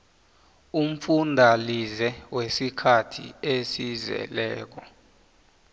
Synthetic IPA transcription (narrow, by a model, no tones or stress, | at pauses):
um̩fundʱalizɛwesikʰatʰḭesizɛ̰lɛːk̬ɔ